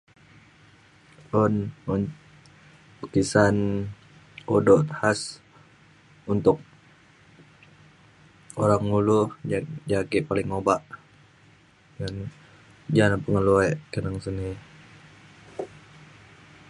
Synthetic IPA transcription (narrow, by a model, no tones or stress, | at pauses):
ɔnn | ukisan | odɔt̪has | unt̪ʊk̚ | oɾaŋːulʊhd͡ʒaɡɪʔpalɪŋːobaʔ | ŋan | d͡ʒalapəŋəluakənaŋsəni